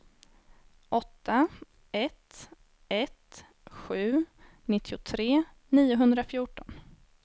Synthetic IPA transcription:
ʔɔt̪ʰːa | ɛt̪ | ɛt̪ | ɧʉ̟ː | nɪt̪ʰːɪʊt̪ʰɾeː | niːʊɦɵnd̪ɾafjuːʈɔn

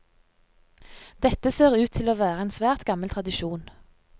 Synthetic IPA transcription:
d̪̥ɛt̪əseːʁʉːt̪ʰːɪloːʋæːʁəeːnsʋæːʁt̪ɡɑməlt̪ʰʁɑd̪ɪʃuːn

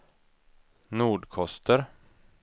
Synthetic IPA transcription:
nuːɖkʰɔst̪əɾ

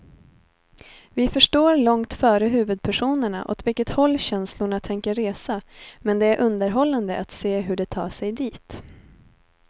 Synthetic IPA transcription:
vɪfœʂʈoːɾlɔŋt̪fœːɾəɦʉ̟ːvɵd̪̚pʰæʂuːnəɳa̰ʔɔ̰t̪vɪlkːət̪hɔlːɕɛnslʊɳat̪ʰɛŋkəɾeːsamɛnd̪ɛæɾʔɵnd̪əɾɦɔlːand̪əʔat̪seːɦɵɖɛt̪ʰɑ̰ːʂɛjd̪iːt̪

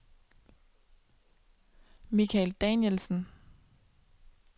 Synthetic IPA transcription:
mikʰæɪld̥ɛnjelsn̩

